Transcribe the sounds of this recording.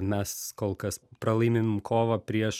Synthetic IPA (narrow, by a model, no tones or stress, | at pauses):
mʲɛskoːlˠkɐspɾɐlˠɐɪmʲemʲmkʰoːʋɐpʲɾʲiɛʃ